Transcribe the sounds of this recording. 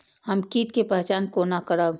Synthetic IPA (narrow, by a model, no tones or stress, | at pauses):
həmkiːt̪̚kepəɦt͡ʃaːnkonakəɾəb